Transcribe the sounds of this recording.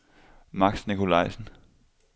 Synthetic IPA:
mɑ̈ɡ̥snikʰo̝lɑ̈ɪ̰sn̩

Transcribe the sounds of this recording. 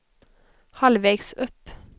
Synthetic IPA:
hɑlʋeɡsœp

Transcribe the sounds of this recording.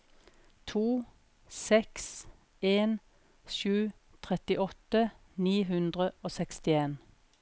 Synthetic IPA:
t̪ʰuː | sɛks | eːn | ʃʉː | t̪ʰʁɛt̪ɪʔɔt̪ə | niːɦʉnd̪ʁəoːsɛkst̪ɪeːn

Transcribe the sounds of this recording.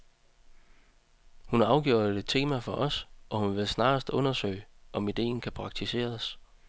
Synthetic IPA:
hunɑ̈ɑ̈ʊɡ̥jo̝̰ːed̥̚t͡sʰe̝̰ːmæfɒ̽ʔɒ̽sʔɒ̽hunʋe̝lsnɑ̈ːsd̥ɔ̽nɐsø̰ːɪʔɒ̽mid̥e̝̰ːn̩kʰæpʰʁɑ̈ɡ̥̚t͡sʰise̝̰ːɐs

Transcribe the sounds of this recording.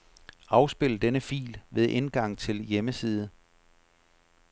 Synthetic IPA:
ɑ̈ʊsb̥e̝l̰əd̥enəfḭːlʋe̝ðˠʔe̝nɡ̥ɑ̈ŋ̰t͡sʰe̝ljeməsiːð̞ˠ

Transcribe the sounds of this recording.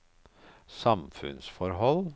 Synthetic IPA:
sɑmfʉ̰nsfɔɾɦɔl

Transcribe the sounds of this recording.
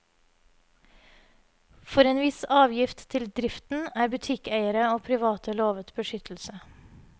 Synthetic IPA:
fɔɾeːnʋɪsɑːʋjɪft̪t̪ʰɪld̪ɾɪft̪n̩æːɾbʉt̪ʰɪkæɪəɾəoːpʰɾɪʋɑːt̪ʰəloːʋət̪bəʃʏt̪ʰl̩sə

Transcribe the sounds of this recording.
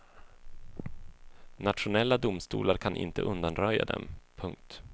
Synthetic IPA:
nat̪ʂʊnɛlːad̪ʊmst̪ṵːlaɾkʰanʔɪ̰nt̪əʔɵnd̪anɾœjːa̰d̪ɛ̰mpʰɵŋk̚t̪

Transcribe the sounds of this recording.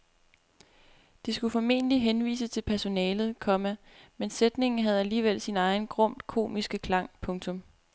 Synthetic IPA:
d̥isɡ̥ufɒme̝̰ːnəliɦenʋḭːsət͡sʰe̝lpʰæɐso̝nɛːlð̩ˠkʰɒ̽mæ | mensed̥ne̝ŋn̩ɦæð̞ˠæliːʋel̰sinɑ̈ɪnɡ̥ʁɔ̽m̰d̥kʰo̝̰ːmisɡ̥əkʰlɑ̈ŋ̰pʰɔ̽ŋt͡sʰɔ̽m

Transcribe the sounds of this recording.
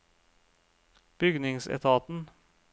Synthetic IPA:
b̥ʏɡnɪŋsɛ̰t̪ʰɑːt̪n̩

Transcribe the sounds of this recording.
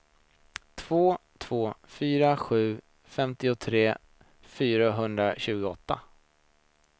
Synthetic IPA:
t̪ʰv̥oːt̪ʰv̥oːfyːɾaɧʉ̟ː | fɛmt̪ɪʊt̪ʰɾeː | fyːɾaɦɵnd̪ɾaɕʉ̟ːɡʊɔt̪ːa̰

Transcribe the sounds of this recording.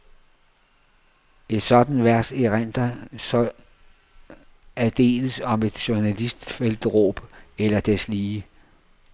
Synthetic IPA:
e̝d̥sɒ̽d̥n̩ʋæɐseʁæn̰d̥ɐsɒ | æd̥e̝̰ːləsɒ̽me̝d̥ɕuɐnælisd̥fel̰d̥əʁɔ̰ːb̥elɐd̥esliː

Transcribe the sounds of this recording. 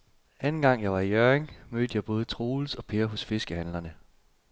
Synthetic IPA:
ænn̩ɡ̥ɑ̈ŋ̰jɑ̈ɪʋɑ̈ijøɐeŋmøːd̥əjɑ̈ɪb̥ɔ̽ːð̞ˠət͡sʰʁoːl̩sɒ̽pʰe̝ːɐɦɔ̽sfe̝sɡ̥əhænlɐnə

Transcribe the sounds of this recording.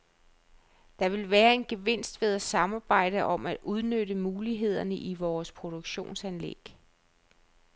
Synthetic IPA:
d̥ɑ̈ʋe̝lʋæːɐe̝nɡ̥eʋe̝n̰sd̥ʋe̝ð̞ˠæsɑ̈mɑ̈ːb̥ɑ̈ɪ̰ɾ̥əʔɒ̽mæd̥uð̞ˠnøɾəmuːliɦe̝ð̞̰ˠɐnəʔiʋɒːspʰʁo̝d̥oɡ̥ɕo̝̰ːnsænlḛɡ̥

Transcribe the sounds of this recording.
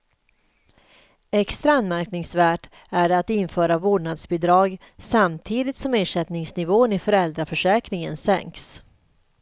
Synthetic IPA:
ɛkst̪ɾaanmæɾknɪŋsvæːʈ | æɖɛat̪ɪnfœːɾavoːɖɳad̪sbɪd̪ɾɑːɡ | samt̪ʰiːd̪ɪt̪sɔmeːʂɛt̪nɪŋsnɪvoːənɪfœɾɛld̪ɾafœʂɛːkɾɪŋənsɛ̰ŋks

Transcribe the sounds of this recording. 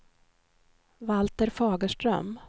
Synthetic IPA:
valt̪əɾfɑːɡəʂʈɾœ̰m

